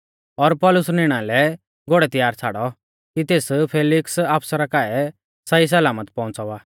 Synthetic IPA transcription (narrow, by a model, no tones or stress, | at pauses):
ɔɾpɔlʊsnɪɽ̃ãlɛ | ɡoɽɛt̪ɪjaːɾt͡sʰa̰ːɽɔ | kit̪eːspʰeːlɪksaːpsəɾakaɛ | sɐis̬ɐlaːmət̪pɔ̃ʊ̃nt͡sɔaː